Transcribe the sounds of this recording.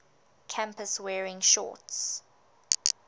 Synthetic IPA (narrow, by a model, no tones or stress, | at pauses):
kʰãmpəswɛːɹɪ̃ŋʃɔ̰ˑts